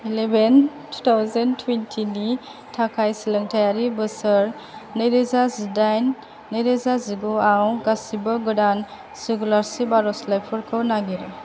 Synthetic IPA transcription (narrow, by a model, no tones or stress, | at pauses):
ileben | tʰu̥tʰawzentʰwentʰini | tʰakʰajsilɯŋtʰajaɾibɯsəɾ | nɯjɾezazidajnː | ɯjɾezaziɡuawɡasibɯɡɔdan | siɡulaɾsibaɾɔslajpʰɔɾkʰɯwnaɡiɾɯ